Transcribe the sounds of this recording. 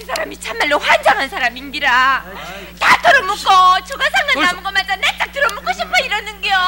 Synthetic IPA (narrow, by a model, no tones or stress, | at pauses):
ɯsʰaɾamit͡ɕʰamːaɭːoɸwand͡ʑaŋɦansʰaɾaminɡiɾa | t͈atʰɯɾomuk͈ʌt͡ɕoɡasʰaŋɡannamɯɡʌmatanet͈ak̚t͈ʰɯɾomuk͈oɕʰip̚p͈ʰʌiɾʌnɯnɡeo